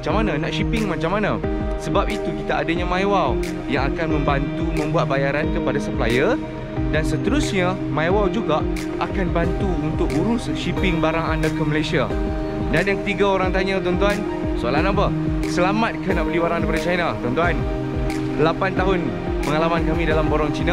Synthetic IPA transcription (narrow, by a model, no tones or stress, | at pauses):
mat͡ʃamːanãnaʔʃipɪŋmãt͡ʃamanã | səbap̚it̪ukit̪aadaɲamãjwaw | jaŋakanmə̃mbant̪umə̃mbuat̪̚bajaɾankəpadasəplajə | dansət̪əɾusɲa | mãjwawd͡ʒuɡaʔ | ʔakanbant̪uunt̪ʊk̚uɾʊsʃipɪŋbaɾaŋandakəməlajsia | danjaŋkət̪iɡaoɾaŋt̪aɲãt̪ɔnt̪uan | soalanapə | səlamat̪̚kanaʔbəlibaɾaŋndapadat͡ʃanat̪ɔnt̪uan | lapant̪aɦʊn | pəŋalamankamĩdalamboɾɔŋt͡ʃina